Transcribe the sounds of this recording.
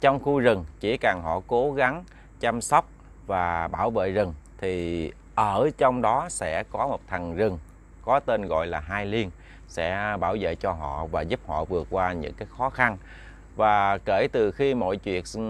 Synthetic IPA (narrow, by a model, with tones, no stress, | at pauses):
t͡ɕɔ˧wŋ͡mxu˧zɨ˨˩ŋt͡ɕi˧˩kaː˨˩ɦɔ̰˧˨ko˨˦ɣa˨˦ŋ | t͡ɕa˧msa˦˥wk͡p̚ | vaː˨˩ɓaː˧˩wvḛ˧˨zɨ˨˩ŋt̪ʰi˨˩ | ʔəː˧˩t͡ɕɔ˧wŋ͡mɗɔ˨˦sɛ̰˧˥kɔ˨˦mo˨˩t̚t̪ʰa˨˩ŋzɨ˨˩ŋ | kɔ˨˦t̪e˧nɣɔ̰˧˨jlaː˨˩ɦaː˧jli˧ən | sɛ̰˧˥ɓaː˧˩wvḛ˧˨t͡ɕɔ˧ɦɔ̰˧˨vaː˨˩zu˦˥p̚hɔ̰˧˨vɨ˨˩ək̚kwaː˧ɲɨ̰˧˥ŋkaː˨˦jxɔ˨˦xa˧n | vaː˨˩ke˧˩t̪ɨ˨˩xi˧mo̰˧˨jt͡ɕwḭ˧˨ən